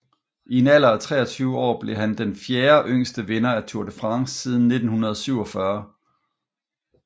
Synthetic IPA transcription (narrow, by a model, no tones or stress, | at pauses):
ienæl̰ɐːt͡sʰʁɛ̰ːɒt͡sʰyːʊəɒ̰ːb̥le̝ɦænd̥enfjeːɐʔøŋ̰sd̥əʋenɐæt͡sʰuɐd̥əfʁɑ̈ŋsːiːð̞ˠn̩ːe̝d̥n̩hunɐð̞ˠsyʊ̰ɒ̽fɶɐ